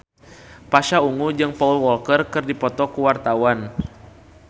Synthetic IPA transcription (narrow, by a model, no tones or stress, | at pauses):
paʃauŋud͡ʒɨŋpaulwɔlkərkɨrdipɔt̪ɔkuwart̪awan